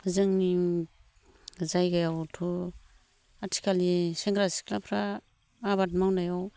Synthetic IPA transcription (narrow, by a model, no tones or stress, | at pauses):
zɯŋni | zajɡajawtʰu | atʰi̥kaliseŋɡɾasi̥kʰlapʰɾaː | βat̚mawnajaw